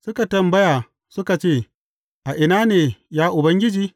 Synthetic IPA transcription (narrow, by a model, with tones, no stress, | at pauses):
sʊ˦ka˨tɐ˨mbɐ˦jaː˨ | sʊ˦ka˨t͡ʃeː˦˨ | ʔa˨ʔɪ˨naː˦neː˨jaː˦ʔʊ˨bɐ˦ŋɡʲɪ˦d͡ʒiː˦